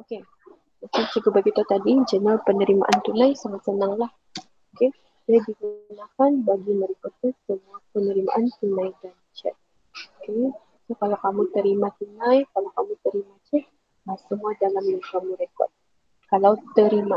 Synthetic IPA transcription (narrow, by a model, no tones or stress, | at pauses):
oke | mat͡ʃaŋt͡ʃiɡubaɡit̪ut̪adid͡ʒənalpənəɾima̰ʔant̪unajsaŋat̪̚sənaŋlah | oke | diadiɡunakanbaɡiməɾikut̪̚usəbuapənəɾima̰ʔant̪unajdant͡ʃɛ̰t̪̚ | oke | sokalawkamut̪əɾimat̪unajkalawkamut̪əɾimat͡ʃuh | jasəmuadalaməkamuɾekɔ̰t̪̚ | kalawt̪əɾima